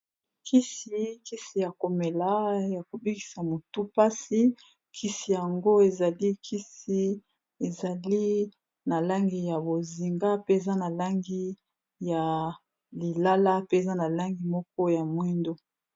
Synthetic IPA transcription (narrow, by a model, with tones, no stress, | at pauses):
kʰi˦si˨˦ki˦si˨ja˨ko˨me˨la˨˦ja˨ko˨bi˦ki̥˨sa˨mo˨tu˦pa˦si˦ | kʰi˦si˨ja˨ŋɡo˦e˨za˨li˦kʰi˦si˦ | e˨za˨li˦ | na˨la˦ŋɡi˨ja˨bo˨zi˨ŋɡa˦pe˦e˨za˦na˨la˦ŋɡi˦ | ja˨ | li˨la˦la˦pe˦˨za˦na˨la˦ŋɡi˨mɔ˦k̚ɔ˦ja˨mwi˦ndo˦